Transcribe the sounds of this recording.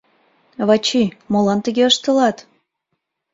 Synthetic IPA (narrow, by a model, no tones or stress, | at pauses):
βɑt͡ɕimolɑnt̪əɣeəʃt̪ə̆lɑt̪